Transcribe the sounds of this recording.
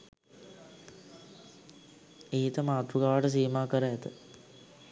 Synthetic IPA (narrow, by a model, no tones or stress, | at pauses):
eːt̪əmaːt̪ɾuɡaʋaʈəs̬iːmaːkəɾəɛt̪ə